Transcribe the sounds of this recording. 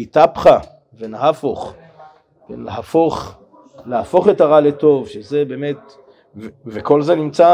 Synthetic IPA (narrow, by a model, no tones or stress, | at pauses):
itapχa | venaɦafoχ | vḛleɦafoχ | leafo̞χetaʁaleto̞vʃezebe̞ːmet̚ | veveko̞lzenimt͡sa